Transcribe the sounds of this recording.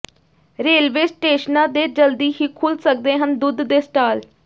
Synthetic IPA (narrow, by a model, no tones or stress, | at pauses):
ɾeːlʋeːsʈeːʃnãːd̪eːd͡ʒəld̪iːɦiːkʰʊlsək̚d̪eːɦənd̪ʊd̪d̪eːsʈaːl